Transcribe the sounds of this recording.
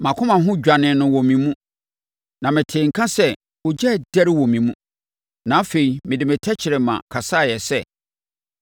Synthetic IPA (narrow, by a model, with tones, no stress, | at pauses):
mã˨kʰʊ̃˦mã˨ɦʊ̃˦d͡ʑᶣa˨nɪ̃˨nʊ̃˨wɔ̃˨mĩ˨mũ˦ | nã˨mɪ̃˨tʰeː˨ŋ̩˨kʰã˦sɛ˦ | wo˨d͡ʑɛ˦˨dɛ˦ɾɪ˦wɔ̃˨mĩ˨mũ˦ | nã˨˦a˦fe˨i˨mɪ̃˨dɪ˨mɪ̃˨tʰɛ˦t͡ɕʰɪ˨ɾɪ˨mã̰˨kʰa˨sa˦˨jɛ˨sɛ˦˨